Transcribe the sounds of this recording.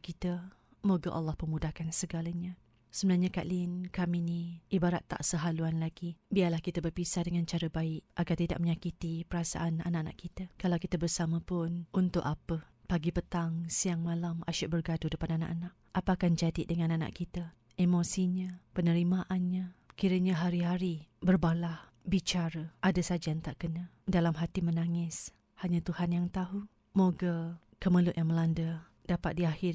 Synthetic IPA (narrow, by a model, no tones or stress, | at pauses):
kit̪ə | moɡaʔa̰lːahpəmudahkansəɡalaɲa | səbənarɲaka̰ʔlinkaminiʔibaɾat̪ːa̰ʔsəɦaluanlaɡibiarlahkit̪əbərpisadəŋant͡ʃaɾəbaɪʔʔaɡart̪ida̰ʔ̚məɲakit̪ipəɾasa̰ʔananaʔana̰ʔkit̪akalawkit̪əbərsaməpʊnunt̪ʊʔapəpaɡipət̪aŋsiaŋmalamʔaʃʊʔbərɡadʊdəpanana̰ʔanaʔ | ʔapəakand͡ʒadiʔdəŋãnana̰ʔkit̪a | emosiɲapənəɾimaʔanɲakiɾəɲaɦaɾiɦaɾibərbalah | bit͡ʃaɾəʔadasad͡ʒajaŋt̪aʔkəna | dalamɦat̪imənaŋɪs | haɲat̪uhanjaŋt̪aɦu | moɡə | kəməlʊʔ̪jaŋməlandə | dapat̪̚diahɪr